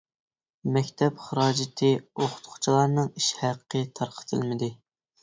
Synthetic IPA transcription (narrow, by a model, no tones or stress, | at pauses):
mɛkʲt̪ʰɛpχəɾɑːd͡ʒɪt̪ʰɨoχʊ̥t̪qʰʊ̥t͡ʃʰilˠɑɾnɨŋiʃhæqʰːət̪ʰɑɾqʰə̥t̪ʰɨ̰lˠmɪd̪ɨ